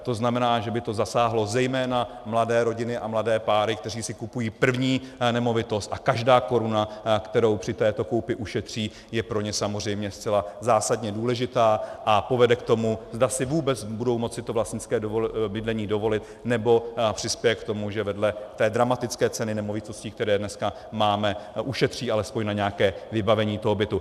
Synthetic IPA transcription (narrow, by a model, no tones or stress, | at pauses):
t̪o̞znamɛnaːʒɛbɪt̪o̞zasaːɦlo̞zɛjmɛːna | mladɛːɾo̞ɟɪnɪʔamladɛːpaːɾɪk̚t̪ɛr̝iːsɪkupujiːpr̩vɲiːnɛmo̞vɪt̪o̞st̪ʔakaʒdaːko̞ɾunakt̪ɛɾo̞wpr̝̥ɪt̪ɛːt̪o̞kowpɪʔuʃɛt̪r̝̥iː | jɛpɾo̞ɲɛsamozr̝ɛjmɲɛst͡sɛlazaːsadɲɛduːlɛʒɪt̪aːʔapo̞vɛdɛkt̪o̞muzdasɪvuːbɛt͡sbudo̞wmo̞t͡sɪt̪ovlast̪ɲɪt͡skɛːdobɪdlɛɲiːdo̞vo̞lɪt̪ | nɛbo̞pr̥ɪspjɛjɛkt̪o̞muʒɛvɛdlɛt̪ɛːdɾamat̪ɪt͡skɛːt͡sɛnɪnɛmo̞vɪt̪o̞sciːk̚t̪ɛɾɛːdnɛska | maːmɛʔuʃɛt̪r̝̥iːʔalɛspoɲnaɲɛakɛːvɪbavɛɲiːt̪o̞ɦo̞bɪt̪u